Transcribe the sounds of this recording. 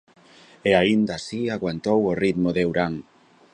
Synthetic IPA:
eaind̪aːsiaɣwant̪oworit̪moðewɾaŋ

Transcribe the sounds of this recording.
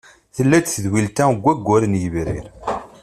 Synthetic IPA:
θəlːæt͡sθəðwilt̪æɡʷːæɡʷːʊɾənjəvɾḭɾ

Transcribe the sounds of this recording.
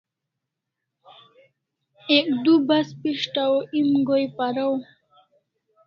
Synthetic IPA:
ek̚d̪ubaspiʂʈawoʔimɡojpaɾaw

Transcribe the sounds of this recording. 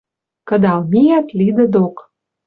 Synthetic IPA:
kə̆d̪ɑlmʲijæt̪lid̪ə̆d̪ok

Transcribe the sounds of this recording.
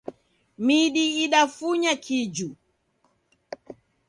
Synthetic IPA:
miɗiiɗafuɲakʰid͡ʒu

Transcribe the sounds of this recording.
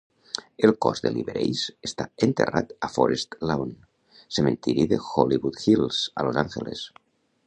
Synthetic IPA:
elˠkɔzðeliβeɾejsest̪aent̪erat̪afɔɾest̪laon | sement̪iɾiðexɔliβut̪xilˠz̥alozaŋxeles

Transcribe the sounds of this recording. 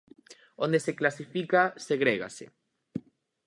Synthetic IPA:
ond̪eseklasifikaseɣɾeɣa̰sḛ

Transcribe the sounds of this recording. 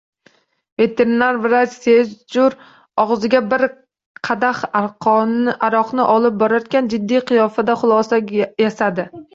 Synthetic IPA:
ve̞t̪ʰe̞ɾɪnaɾvɪɾat͡ʃse̞zd͡ʒʊɾ | ɒʁzɪɡʲabɪɾ | qʰɑd̪aχaɾqʰɒʔaɾɒqnɪʔɒlˠɪp̚bɒɾaɾkʲand͡ʒɪd̪ːijqʰɨjɒfad̪aχʊlˠɒsajasad̪ɪ

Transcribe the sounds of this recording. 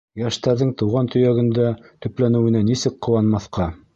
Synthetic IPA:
jæʃt̪æɾðɘŋt̪ɤ̆wʁɑnt̪ɵ̆jæɡɘ̆nd̪æt̪ɵ̆plænɘ̆wɘ̆nænisɘkqŏwɑnmɑθqɑ

